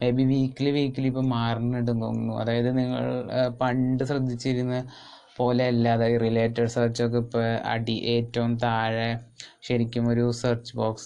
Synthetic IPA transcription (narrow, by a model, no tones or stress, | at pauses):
mebiʋiːkʲːilʋiːkʲːilipːoːmaːrɐnːiɽund̪o̰ːnnːuɐ̰ðaːjɐðɨniŋːɐ̰ɭpɐɳɖɨɕrɐd̪ʱːit͡ɕːiɾunːɐ | po̞ːleɐlːɐɐðaːjɐðɨrileːtːɐɖsɐːrt͡ɕok̬ːepːɐ̰ɽiʔe̞ːtːɐʋumt̪aːɻeɕɐɾikʲːumo̞ɾusɐːrt͡ɕːɨboːks